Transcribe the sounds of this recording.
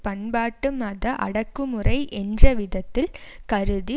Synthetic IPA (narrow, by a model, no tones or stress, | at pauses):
pɐɳbaːʈːɯmɐðɐʔɐ̰ɽɐkːɯmɯrɐɪʔɛndrɐʋɪðɐt̪ːɪlkɐɾɯði